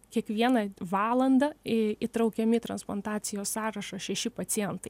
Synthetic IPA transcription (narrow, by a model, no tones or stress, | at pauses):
kʲiɛkʋʲiɛnɐʋɑːlˠɐnd̪ɐɪt̪ɾɐʊkʲɛmʲɪt̪ɾɐnsplˠɐnt̪ɑːtsʲɪjoːssɑːɾɐʃɐʃʲɛʃʲɪpɐt̪sʲɪjɛnt̪ɐɪ